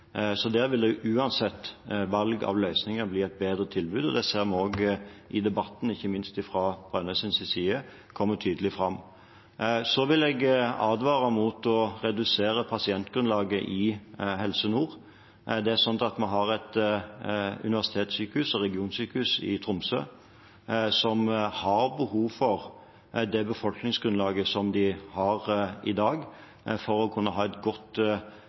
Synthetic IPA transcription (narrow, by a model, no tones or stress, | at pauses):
sɔd̪æːʁʋɪld̪ɛʔʉːɑnsɛt̪ːʋɑlɡɑ̰ʋlœʏsnɪŋəbliːɛɪt̪̚beːd̪ʁət̪ʰɪlbʉːd̪ɔd̪ɛseːʁmɛoːɡʔɪd̪ɛbɑt̪ːn̩ɪçːəmɪnst̪ɪfʁɑb̥ʁœnəsɪnsɪsiːə | kʰɔmːət̪ʰyːd̪əlɪfʁɑmː | sɔʋɪlɛɡɑːd̪ʋɑːʁəmut̪ɔʁɛd̪ʉseːʁəpʰɑsɪɛnt̪ɡ̥ɾʉnlɑːɡəʔɪhɛlsənuːʁ | d̪ɛæɾʂsɔnt̪ɑt̪mɛɦɑʁɛt̪ | ʉ̰nɪʋæʁsɪt̪ʰeːt̪syːkəhʉsɛʁɛɡɪuːnsyːkəhʉsɪ̰t̪ʰʁʊmsø̰ː | sɔmhɑɾbəhuːʋfɔʁ | d̪ɛbəfɔlknɪŋsɡɾʉnlɑːɡəsɔmd̪ɪhɑʁɪd̪ɑːɡ | fɔɾɔkʰʉnːəɦɑːɛt̪ɡɔt̪